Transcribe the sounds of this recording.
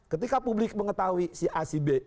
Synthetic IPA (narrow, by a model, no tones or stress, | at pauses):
kət̪ikapublɪk̚məŋət̪awisiʔasibe